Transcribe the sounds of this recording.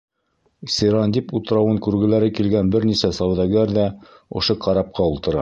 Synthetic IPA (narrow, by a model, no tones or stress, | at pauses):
sʲiɾɑnd̪ʲiput̪ɤ̆ɾɑwɤŋkʉɾɡɘ̆læɾɘkilɡænbɘɾnisæsɑwðɑɡæɾðæ | ŏ̰ʃɤqɑɾɑp̚qɑulˠt̪ɤ̆ɾɑ